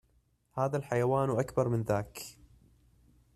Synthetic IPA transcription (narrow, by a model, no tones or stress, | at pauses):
haːðalħajawaːnwʔakbɑɾˤmɪnðaːk